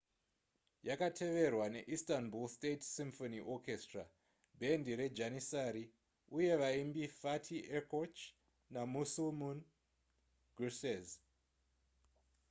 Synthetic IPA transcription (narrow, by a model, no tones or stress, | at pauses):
jakatʰe̞ʋe̞rwane̞ʔistanbulstetsimfoniʔokestra | bʱe̞ndiɾe̞d͡ʒanisaɾi | uje̞ʋaimbifatʰiʔekot͡ʃ | namusumun | ɡrusez